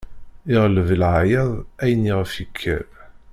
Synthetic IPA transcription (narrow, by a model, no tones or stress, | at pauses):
ɪʁləvəlʕajɑðˤæjniʁəfikʰːæ̰b